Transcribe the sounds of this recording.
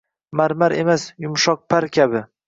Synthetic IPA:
maɾmaɾemasjʊmʃɒq̚pʰaɾkʲʰabɪ

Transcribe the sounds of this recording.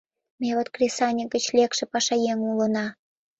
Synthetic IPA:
mʲeβot̪krʲesɑnʲəɡə̆t͡ɕlʲekʃĕpɑʃɑjeŋulə̆nɑ

